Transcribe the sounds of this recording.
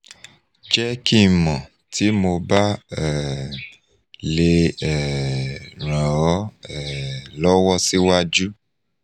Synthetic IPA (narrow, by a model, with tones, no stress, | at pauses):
d͡ʒɛ˦ki˦˨mɔ̃˨ | tʰi˨˦mo˧ba˦ɛ˨ | le˧ɛ˨ | ɾ̃ã˨ɔ˨˦ɛ˦˨lɔ˦wɔ˦si˦wa˦d͡ʒu˦